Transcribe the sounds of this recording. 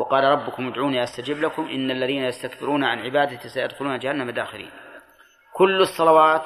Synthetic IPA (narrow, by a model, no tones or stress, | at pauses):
wɑqɑːlɑɾˤɑbːʊkʊmʔʊd̪ʕuːniʔast̪ad͡ʒɪbːlakʊmʔɪnːalːaðiːnajast̪akbɪɾuːnaʕanʕɪbaːd̪asajad̪xʊluːnad͡ʒahanːamad̪aːxɪlḭːn | kʊlːɑsˤːɑlɑwɑːt̪